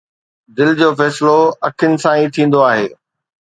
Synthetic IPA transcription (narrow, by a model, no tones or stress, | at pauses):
d̪ɪlɪd͡ʑoːfɛːsɪloɐkʰɪnɪ̆sãiːt̪ʰĩːn̆d̪oaːɦeː